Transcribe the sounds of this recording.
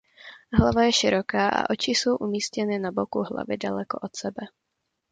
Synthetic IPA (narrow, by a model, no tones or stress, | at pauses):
ɦlavajɛʃɪɾo̞kaːʔa̰ʔo̞t͡ʃɪso̞wʔumiːscɛnɪnabokuɦla̰vɪdalɛko̞ʔot̪sɛbɛ